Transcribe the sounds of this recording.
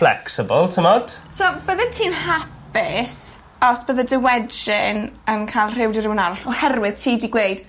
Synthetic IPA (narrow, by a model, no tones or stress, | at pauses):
flɛ̰ksɪbəlˠtʰəmɔd̥sobəðətʰiːnhap | ɪs | ɔsb̥əðədəwɛdd͡ʒɪnənkʰajlˠr̥ɪwdɪɾɪwənaɾʊɬɔhɛrwɪð̥tʰiːdiɡwejd̥